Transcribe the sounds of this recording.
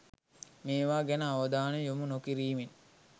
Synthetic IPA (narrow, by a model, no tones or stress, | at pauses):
meːʋaːɡænəaʋɐd̪aːnejomunokiɾiːmin